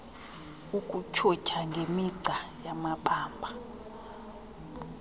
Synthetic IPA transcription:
ukʼut͡ʃʰɔcʰaŋɡʱemiǀajamaɓaːmbʱa

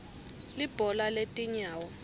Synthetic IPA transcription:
lib̥ʱɔlaletʼiɲaːwɔ

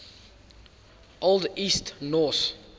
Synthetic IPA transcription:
ʔolˠdistnɔθ

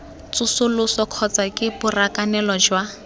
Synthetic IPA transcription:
t͡sʊsʊlʊsɔkʰɔt͡sakʼɪbʊrakʼanɛlɔd͡ʒwa

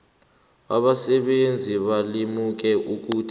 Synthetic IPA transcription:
a̰ɓasɛɓend͡zʱiɓalimuk̬ɛʔuk̬uːtʰ

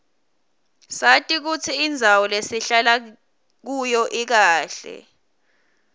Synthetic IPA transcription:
satʼik̬ut͡sʰiːnd͡zʱawɔlesiɬala | k̬ujɔʔik̬aːɬɛ̰

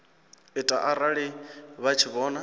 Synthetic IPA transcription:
itʼa̰ʔaɾaɺiβat͡ʃʰiβɔːna

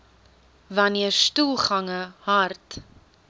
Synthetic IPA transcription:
vɐniərstulˠχɐŋəhɐrt

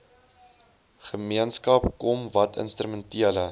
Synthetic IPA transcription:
χəmiənskɐpkɔmvɐtʰə̰nstɾəməntiələ

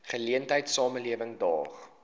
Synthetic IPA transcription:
χəliəntɦəjtsɑːməliəvəŋdɑːχ

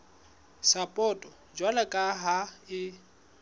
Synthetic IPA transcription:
sapʼɔtʼɔ | d͡ʒwalakʼaɦaɪ

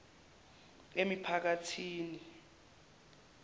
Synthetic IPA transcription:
emipʰak̬atʰiːni

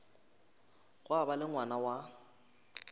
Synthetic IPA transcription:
ɣʊabalɪŋwanawa

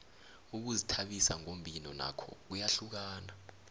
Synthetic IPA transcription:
uk̬uzitʰaɓisa̰ŋombʱinɔna̰kʰɔ̰k̬ujaɬuk̬aːna

